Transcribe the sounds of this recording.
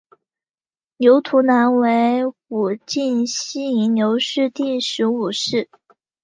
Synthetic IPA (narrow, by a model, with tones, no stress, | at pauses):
njo˧˥ʊt̪ʰu˧˥na˧˥nwe˧˥ɪu˨˩t͡ɕi˥˩nɕi˥i˧˥njo˧˥ʊʂɻ̩˥˧t̪i˥˩ʂɻ̩˧˥u˨˩ʂɻ̩˥˩